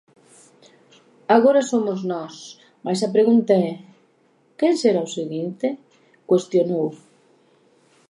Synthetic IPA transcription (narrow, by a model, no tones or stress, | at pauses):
aɣoɾɐsomʊznɔs | majs̬ɐpɾeɣunt̪aɛ | kenseɾaoseɣint̪e | kwest̪jonow